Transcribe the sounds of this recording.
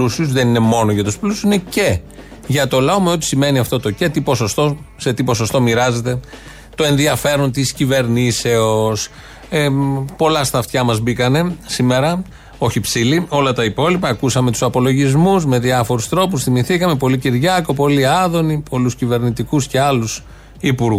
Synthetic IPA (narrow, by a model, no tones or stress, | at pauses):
usiusðe̞nine̞mo̞noʝɐt̪usplusu̥ssinece̞ | ʝɐt̪o̞lɐome̞o̞t̪i̥sime̞niɐft̪o̞t̪o̞cet̪ipo̞so̞st̪o̞se̞t̪ipo̞so̞st̪o̞miɾɐze̞t̪e̞ | t̪o̞e̞nðiɐfe̞ɾont̪iscive̞ɾnise̞os | epo̞lɐst̪ɐft̪çɐmɐzbikɐne̞sime̞ɾɐ | o̞çipsilio̞lɐt̪ɐipo̞lipɐːkusɐme̞t̪u̥sɐpo̞lo̞ʝizmuzme̞ðiɐfo̞ɾust̪ɾo̞pusθimiθikɐme̞po̞liciɾʝɐko̞po̞liɐðo̞nipʰo̞luscive̞ɾnit̪ikusceɐlus | ipuɾɣ